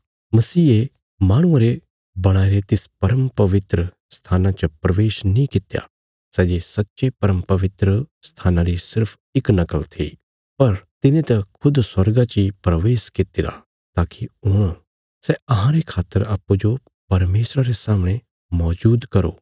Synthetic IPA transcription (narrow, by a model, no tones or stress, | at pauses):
mɐsiːe | maːɽ̃ʊ̃ãɾe | bɐɽ̃aːiɾet̪ɪspɐɾəmpɐʋɪt̪ɾə | st̪ʰaːnãt͡ʃəpɾɐʋeːʃnĩkɪt̪ja̰ | sɛːd͡ʒisɐtːʃepɐɾəmpɐʋɪt̪ɾəst̪ʰaːnãɾisɪɾpʰ | ɪknɐkəlt̪ʰḭ | pɐɾt̪ɪnẽt̪ɐkʰʊd̪swɐɾɡat͡ʃipɾɐʋeːskɪt̪ɪɾa̰ | t̪aːkiʊɽ̃ | sɛɐɦãɾekʰaːt̪ːəɾaːpːud͡ʒo | pɐɾmeːsɾaɾesaːməɽ̃e | mɔːd͡ʒuːd̪kɐɾoː